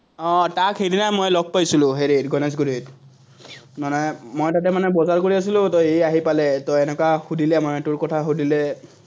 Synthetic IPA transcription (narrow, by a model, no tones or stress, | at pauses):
ɔ̃takɦedinajmojlɔɡ̚pajsilʊ̃ɦeɹitɡɔnɛs̬ɡudit | manɔjmojtat̬ɛmanɛbɔzaɹkoɹias̬ilʊ̃tɔejaɦipalɛtɔɛnɛkaxudilɛmanɛtuɹkɔtʰaɦudilɛ